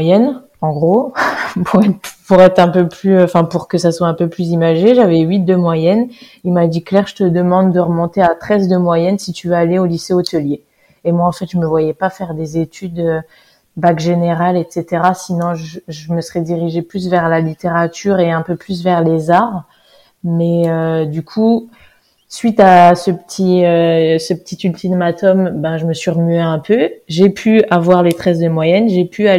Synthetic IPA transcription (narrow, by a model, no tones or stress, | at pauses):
jɛn | ɑ̃ɡʁopʰuʁɛpuʁɛt̪χɛ̃pøplyɑ̃fɛ̃puʁkəsaswaɛ̃pøplyzimaʒeʒavɛɥit̪̚d̪əmwajɛn | ilmad̪iklɛʁʒət̪əd̪əmɑ̃d̪ːəʁəmɔ̃t̪eat̪χɛzd̪əmwajɛnsit̪yvøaleoliseot̪əlje | emwaɑ̃fɛt̪ʒəməvwajɛpafɛʁd̪ezet̪ʰyd̪ø | bakʒeneʁalɛt̪set̪eʁasinɔ̃ʒəʒəməsəʁɛd̪iʁiʒeplys̬vɛʁlalit̪eʁat̪ʰyʁeɛ̃pøplys̬vɛʁlezaʁ | mɛød̪ykʰu | sɥit̪asəpə̥t̪ʰiøsəpə̥t̪it̪ylt̪ʰid̪əmat̪ɔmbɛ̃ʒəməsɥiʁəmyeɛ̃pʰøʒepʰyavwaʁlet̪χɛs̬d̪əmwajɛnʒepʰya